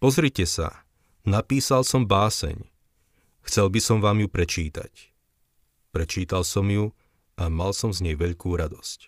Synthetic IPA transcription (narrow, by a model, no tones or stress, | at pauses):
pɔzɾicɛsa̰ | napiːsalsɔmbaːsɛ̰ɲ | xt͡sɛlbisɔmʋaːmjupɾɛt͡ʃiːt̪a̰c | pɾɛt͡ʃiːt̪alsɔmju | ʔamalsɔmzɲɛjʋɛʎkuːɾad̪ɔsc